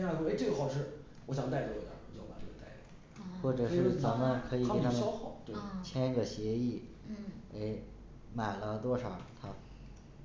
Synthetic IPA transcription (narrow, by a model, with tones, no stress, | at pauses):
wɔ˧e˥ɪʈ͡ʂɤ˥˩ɡə˩xɑ˥˩ʊʂ̬ɻ̩˥˩ | wɔ˧˥ɕ̬jɑ˨˩ŋt̪a˥ɪt̪ɔ˧˩ɔ˨˩a̰˧˥˩wt͡ɕo˥˩˥pa˨˩˥ə˧˩t̪a˥˩ɪ˧˩ | xwɔ˥˩ʈ͡ʂɤ˨˩ɻ̩˥˩t͡sa˧˥nmə˧nkʰɤ˧˥i˨˩ke˧˩a˥mə˧ɑ˥xɑ˥˩t̪we˥˩t͡ɕʰjɛ˥nɡə˨ɕjɛ˧˥i˥˩ | e˥˩ɪ | ma˨˩ɪlə˦t̪wɔ˥ʂɑ˨˩ʊt̪ʰa˥